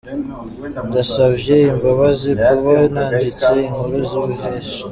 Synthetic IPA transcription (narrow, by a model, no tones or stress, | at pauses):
ndasaβje̞imbaβazikuβanaːndit͡seiŋhuɾuziβuɦeːʃḁ